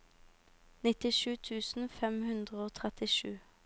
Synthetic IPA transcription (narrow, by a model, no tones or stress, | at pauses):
nɪt̪ɪʃʉːt̪ʰʉːsn̩fɛmhʉnd̪ʁəoːt̪ʰʁɛt̪ɪʃʉ̰ː